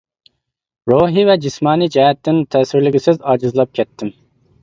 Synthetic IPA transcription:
ɾoɦivɛd͡ʒismɑːnid͡ʒɛɦɛt̪ʰːɪnt̪ʰɛːsɪɾlɪɡʲisɪzɑːd͡ʒɨzlˠɑp̚kʲʰɛt̪ʰːɪm

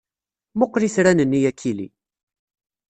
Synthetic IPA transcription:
moqːɾiθɾænənːijækʰːilḭ

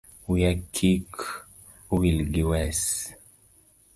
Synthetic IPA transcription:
wijakʰik | wilɡiwɛs

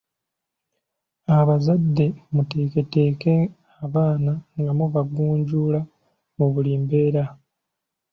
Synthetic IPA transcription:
aβazadːe̞mute̞ːke̞teːke | aβaːnaŋɡamuβaɡuːɲɟuːla | muβuliːmbe̞ːɾa

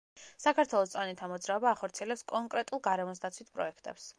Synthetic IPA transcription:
sakʰaɾt̪ʰwɛlˠɔst̪sʼanit̪ʰamɔd̪zɾaɔbaːχɔɾt̪sʰiɛlɛpskʼɔŋkʼɾɛt̪ʼulˠɡaɾɛmɔs̬d̪at̪sʰwit̪̚ʰpʼɾɔ̰ɛkʰt̪ʼɛ̰ps

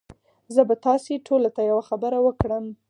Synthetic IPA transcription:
zəbat̪ɑseʈʰolat̪ajawaxabəɾawəkɽəm

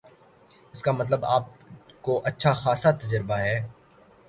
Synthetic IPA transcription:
ɪskamɐt̪ləbaːp̚koʔɐtːʃʰaxaːsat̪ɐd͡ʒəɾɪbaɦɛː

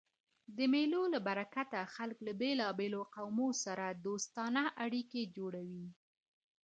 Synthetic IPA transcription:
d̪əmelolabaɾakat̪axalklabelɑbeloqawmosaɾad̪ost̪ɑnaʔaɽiked͡ʒoɽawi

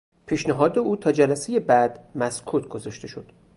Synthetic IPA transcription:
pʰiːʃnæɦɒːd̪e̞uːt̪ʰɒːd͡ʒælæse̞je̞bæd̪̥mæskʰuːt̪ʰɡozɒʃt̪e̞ʃo̞d̪̥

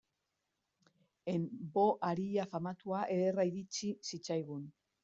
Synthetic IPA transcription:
embo̞ʔaɾiʎafamat̪uaʔe̞ðeraiɾit͡sisit͡sajɣun

